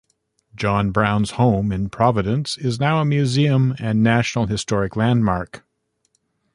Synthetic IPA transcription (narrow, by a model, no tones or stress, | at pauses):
d̥d͡ʒ̥ɑ̃nbɹãʊ̃nz̥hõʊ̃mɨ̃npʰɹ̥ɑvɨɾɨ̃nsɪznaʊəmjʉziɨ̃mɨ̃nːæʃnl̩ˠɦɨstɔɹɨklæ̃ndmɑɹk